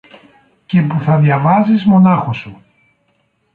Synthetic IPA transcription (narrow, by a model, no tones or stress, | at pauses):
ce̞puθɐðʝɐvɐzizmo̞nɐxosu